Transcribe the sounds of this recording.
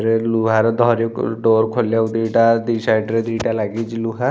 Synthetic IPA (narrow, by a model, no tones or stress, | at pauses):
ɾeluːɦaɾed̪ʱɔːɾoɖoːɾkʰoljaud̪iːʈad̪iːsaːjʈɾed̪iːʈalaɡid͡ʒiluɦa